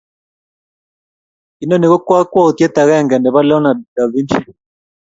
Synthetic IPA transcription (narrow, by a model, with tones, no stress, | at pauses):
i˦nɔ˦ne˨ɣo˦kwa˦kwa˦o˨t̪jɛ˦t̪a˨ɣɛ˦˨ŋɡɛ˨ndɛ˨βa˦lɛ˦ɔ˦na˨da˨βi˦nʃi˦